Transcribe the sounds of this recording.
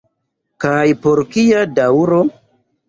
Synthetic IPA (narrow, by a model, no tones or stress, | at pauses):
kajpoɾkijadauɾo